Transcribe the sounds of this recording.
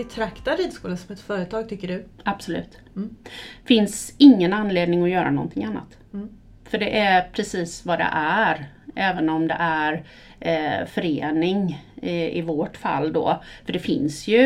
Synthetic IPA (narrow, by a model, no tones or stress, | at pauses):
bɛt̪ʰɾakt̪aɾiːd̪skuːləsɔmɛt̪fœːɾət̪ʰɑːɡ̚t̪ʰʏkːəɖɵab̥sɔlʉ̟ːt̪ | fɪnsɪŋːənanːleːd̪nɪŋɔjœːɾanɔ̰nt̪ʰɪŋanːa̰t̪ | fœɖɛʔæɾpʰɾɛsiːsvad̪ɛ̰ʔæɾ | ʔɛːvənɔmd̪ɛ̰ʔæɾ | fœɾḛːnɪŋ | ɪvoʈfa̰lːd̪ɔ̰ːfœɖɛfɪ̰nsjɵ